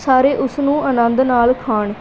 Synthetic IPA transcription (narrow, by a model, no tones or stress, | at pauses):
saːɾeːʔʊsnũːʔənə̃nd̪naːlkʰaːɳ